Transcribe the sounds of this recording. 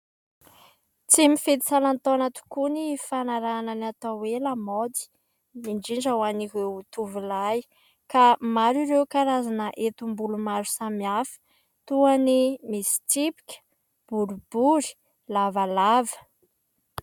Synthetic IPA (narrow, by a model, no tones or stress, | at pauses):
t͡simifet̪i̥salant̪onat̪u̥kunifanaɾananat̪awelamod̪i̥ | miɳɖ͡ʐiɳd͡ʒawaniɦeut̪uvilaj | kamaɾiɾewkaɾazanəʔet̪umbulumaɾu̥samiafə̥ | t̪uanimisi̥t͡sipi̥kʲə̥ | b̥uɾubuɾi̥ | lavalavə̥